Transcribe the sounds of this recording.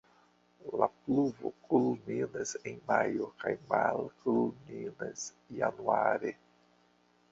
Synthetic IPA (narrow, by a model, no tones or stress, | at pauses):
lapluvo̰kʰulminesenmajokajmalkulmines | januaɾe